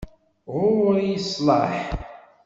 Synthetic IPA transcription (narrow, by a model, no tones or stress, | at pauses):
ʁʊɾjəsˤlɑħ